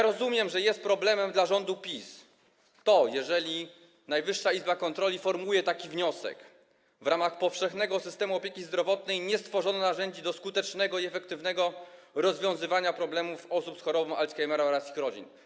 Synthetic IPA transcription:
jɾɔzumʲjɛmʐɛjɛst̪̚pɾɔblɛmɛmd̪laʐɔnd̪upʲis | t̪ɔjɛʐɛlʲi | najvɘʂːaizbakɔnt̪ɾɔlʲifɔɾmujɛt̪akʲivɲɔsɛ̰k | vɾamaxpɔfʂɛxnɛɡɔsɘst̪ɛmuɔpʲjekʲizd̪ɾɔvɔt̪nɛjɲɛst̪fɔʐɔnɔnaʐɛɲd͡ʑid̪ɔskut̪ɛt͡ʂnɛɡɔiɛfɛkt̪ɘvnɛɡɔ | ɾɔzvʲjɔ̃w̃zɘvaɲapɾɔblɛmufɔsupsxɔɾɔbɔw̃alt̪kajmɛɾaɔɾasixɾɔd͡ʑḭn

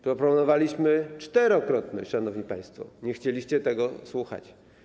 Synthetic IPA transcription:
pɾɔpɾɔpɔnɔvalʲiɕmɘt͡ʂt̪ɛɾɔkɾɔt̪nɘ̰ʂanɔvɲipaj̃st̪fɔ̰ɲɛxt͡ɕelʲiɕt͡ɕɛt̪ɛɡɔswuxa̰t͡ɕ

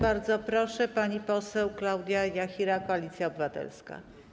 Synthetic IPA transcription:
baɾd̪zɔpɾɔʂɛpaɲipɔsɛwklawd̪ʲjajaxʲiɾakɔalʲit̪sʲjaɔbɘvat̪ɛ̰lska̰

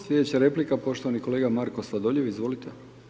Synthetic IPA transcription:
slʲjʲed̪et͡ɕaɾeplikapo̞ʃt̪oaniko̞leːɡamaɾkosʋad̪oʎeʋizʋo̞lit̪e

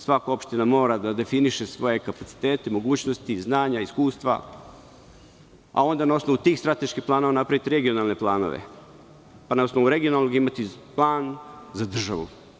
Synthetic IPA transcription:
sʋakoo̞pʃt̪inamo̞ːɾad̪ad̪e̞finiʃesʋo̞je̞kapat̪si̥t̪e̞ːt̪e̞mo̞ɡuːt͡ɕnost̪iznaːɲaiskuːst̪ʋa̰ | a̰o̞nd̪anao̞sno̞ʋut̪iːxst̪ɾat̪e̞ʃkiplˠaːno̞ʋanapɾaʋit̪eɾe̞ɡio̞nalˠne̞plˠaːno̞̰ʋḛ | panao̞snoʋuɾe̞ɡionalnoɡimat̪iplˠaːnzad̪r̩ʒa̰ʋṵ

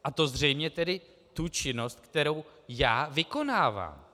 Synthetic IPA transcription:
ʔat̪o̞zr̝ɛjmɲɛt̪ɛdɪ | t̪ut͡ʃɪno̞st̪̚kt̪ɛɾo̞wjaːvɪko̞naːva̰ːm

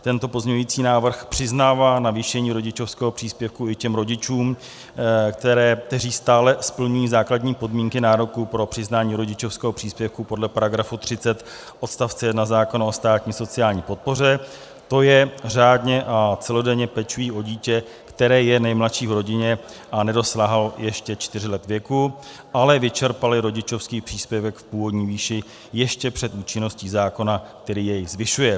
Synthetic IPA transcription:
t̪ɛnt̪o̞po̞zɲɛɲujiːt͡siːnaːvr̩xpr̝̥ɪznaːvaːnaviːʃɛɲiːɾo̞ɟɪt͡ʃo̞fskɛːɦo̞pr̝̥iːspjɛfkuɪcɛmɾo̞ɟɪt͡ʃuːm | kt̪ɛɾɛːk̚t̪ɛriːst̪aːlɛspl̩ɲujiːzaːkladɲiːpo̞dmiːŋkɪnaːɾo̞kupɾo̞pr̥ɪznaːɲiːɾo̞ɟɪt͡ʃo̞fskɛːɦopr̥iːspjɛfkupo̞dlɛpaɾaɡɾafut̪r̝̥ɪt͡sɛt̪ | ʔo̞t̪st̪aft͡sɛjɛdnazaːko̞naost̪aːt̪ɲiːso̞t͡sɪaːlɲiːpo̞t̪̚po̞r̝ɛ | t̪o̞jɛr̝aːdɲɛʔat͡sɛlo̞dɛɲɛpɛt͡ʃujiːʔo̞ɟiːcɛ | kt̪ɛɾɛːjɛnɛjmlatʃiːvɾo̞ɟɪɲɛ | ʔanɛdo̞slaɦaljɛʃcɛt͡ʃt̪ɪr̝ɪlɛt̪vjɛku | ʔalɛvɪt͡ʃɛɾpalɪɾo̞ɟɪt͡ʃo̞fskiːpr̥iːspjɛvɛkfpuːvo̞dɲiːviːʃɪ | jɛʃcɛpr̝̥ɛt̪ʔuːt͡ʃɪno̞sciːzaːko̞nak̚t̪ɛɾiːjɛjzvɪʃujɛ

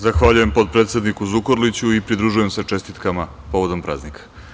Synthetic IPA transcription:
zaxʋaʎuje̞mpo̞d̪t̪̚pɾeːt̪se̞d̪nikuzukoɾlit͡ɕuipɾid̪ɾuʒuje̞mset͡ʂe̞st̪it̪kama | po̞ʋo̞d̪o̞mpɾa̰ːznikʰḁ

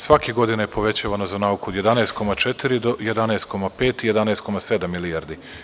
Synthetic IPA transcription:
sʋakeɡo̞d̪inajepo̞ʋe̞t͡ɕaʋanozanaukuod̪je̞d̪aneːst̪̚ko̞mat͡ʃet̪iɾid̪o̞jed̪aneːst̪̚ko̞mape̞ːt̪ije̞d̪aneːst̪̚ko̞mased̪amːilijaɾd̪i

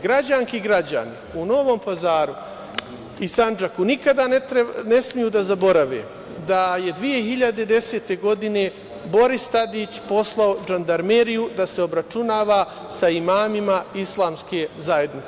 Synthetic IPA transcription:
ɡɾad͡ʑaŋkiɡɾad͡ʑa̰niuno̞ʋo̞ːmpazaːɾu | isand͡ʒakunikad̪ant̪ɾene̞smijuːd̪azabo̞ɾaʋḛː | d̪aje̞d̪ʋije̞ɦiʎad̪e̞d̪e̞se̞ːt̪e̞ɡo̞d̪ine̞ | bo̞ɾist̪ad̪iːt͡ɕpo̞slˠao̞d͡ʒand̪aɾmeɾijud̪ase̞o̞bɾat͡ʃunaːʋa | saimaːmimaislˠaːmske̞zaje̞d̪nit̪e

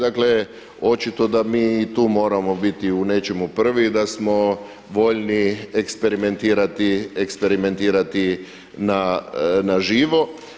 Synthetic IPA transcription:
d̪akle̞ | o̞t͡ʃit̪o̞d̪amiːt̪uːmo̞ːɾamo̞bit̪iune̞t͡ʃe̞mupr̩ʋid̪asmo̞ | ʋo̞ʎniekspe̞ɾime̞nt̪iːɾat̪iekspe̞ɾime̞nt̪iːɾat̪i | nanaʒiːʋo̞

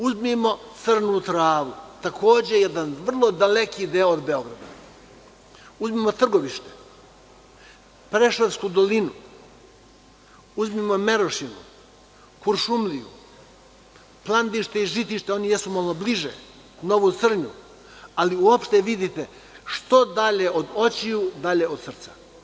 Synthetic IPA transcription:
uzmimo̞t̪sɨr̩nut̪ɾaːʋut̪akʰo̞ːd͡ʑe̞jed̪anʋr̩lˠo̞d̪ale̞kiːd̪eoːd̪be̞o̞ɡɾad̪a̰ | uzmiːmo̞t̪r̩ɡo̞ʋiʃt̪e̥ | pɾeʃeɾskud̪o̞linu | uzmiːmo̞me̞ɾoʃinṵ | kuɾʃumlijṵ | plˠand̪iʃt̪eiʒit̪iʃt̪eo̞nijesumolobliʒḛ | no̞ʋut̪sr̩ɲṵ | aliuopʃt̪eʋid̪it̪e | ʃt̪o̞d̪aʎeʔo̞d̪o̞t͡ɕiud̪aʎe̞od̪sr̩t̪sa

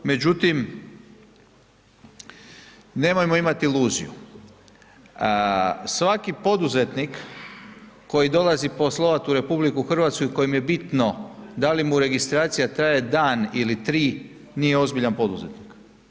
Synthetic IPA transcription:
me̞d͡ʒut̪im | ne̞mojmo̞imat̪iilˠuːzḭjṵ | sʋakipo̞d̪uze̞t̪nikː | o̞jid̪o̞lˠazipo̞slˠoʋat̪uɾe̞publikuxr̩ʋaːt̪skuiko̞jimje̞bit̪no̞d̪alimuɾe̞ɡist̪ɾaːt̪sijat̪ɾajed̪aːnilit̪ɾiː | niːjeo̞zbiʎanpo̞d̪uze̞t̪nik

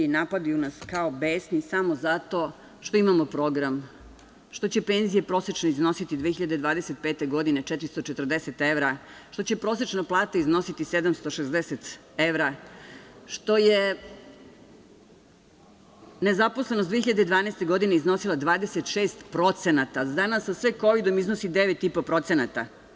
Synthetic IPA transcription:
inapad̪ujunaskaobeːsnisamo̞zat̪o̞ | ʃt̪o̞imamo̞pɾo̞ɡɾam | ʃt̪o̞t͡ɕe̞pe̞nzije̞pɾo̞set͡ʃnoizno̞sit̪id̪ʋeːxiʎad̪ed̪ʋaːd̪eset̪̚pet̪e̞ɡo̞d̪inet͡ʃɛt̪ɾist̪ot͡ʃet̪rd̪eset̪eʋɾaʃt̪o̞t͡ɕe̞pɾo̞ːset͡ʃnaplˠaːt̪aizno̞sit̪ise̞d̪amst̪o̞ʃezd̪eset̪ | eʋɾa | ʃt̪o̞je | nezaposlenosd̪ʋeçiʎad̪ed̪ʋaːnest̪e̞ɡo̞d̪ineizno̞silˠad̪ʋaːd̪eset̪ʃeːst̪pɾo̞t̪senat̪ad̪anasːasʋeko̞ʋid̪o̞miznosid̪eʋet̪ipo̞pɾo̞t̪senat̪a

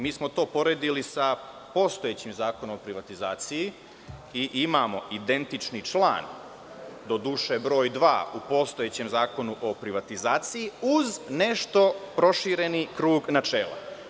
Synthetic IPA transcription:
miːsmo̞t̪o̞ːpo̞ɾed̪ilisa | po̞st̪ojet͡ɕimzaːko̞nomopɾiʋat̪izaːt̪siji | iʔimamo̞id̪e̞nt̪it͡ʃnit͡ʃlˠa̰ːn | d̪o̞d̪uʃebɾo̞ːjd̪ʋa̰ːupo̞st̪o̞je̞t͡ɕemzaːko̞nuʔo̞pɾiʋat̪izaːt̪sijiuzne̞ʃt̪o̞pɾo̞ʃiɾe̞nikɾuːɡnat͡ʃeːlˠa̰

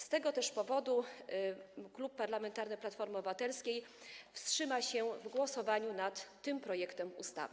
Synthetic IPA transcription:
st̪ɛɡɔt̪ɛʂpɔvɔd̪u | klupːaɾlamɛnt̪aɾnɘplat̪fɔɾmɔbɘvat̪ɛlskʲejfstʂɘmaɕɛvɡwɔsɔvaɲunat̪ːɘmpɾɔjɛkt̪ɛmṵst̪a̰vɘ

